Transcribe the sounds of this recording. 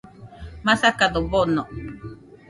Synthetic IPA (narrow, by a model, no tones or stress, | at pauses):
masakad̪obɔnɔ